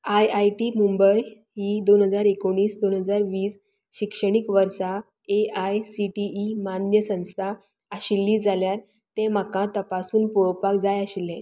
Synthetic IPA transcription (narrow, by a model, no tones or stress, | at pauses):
ajajʈimumbəj | ɦid̪onɦəd͡zaɾekoɳ̃iːsd̪onɦəd͡zaɾʋiːs | ɕikʂəɽ̃ikʋəɾsa | eajsiʈiːmanjəsə̃w̃st̪ʰa | əɕilːiːd͡zaljaɾ | t̪ẽm̤akãt̪əpasuːnpuɭəpakd͡zajaɕilːɛ̃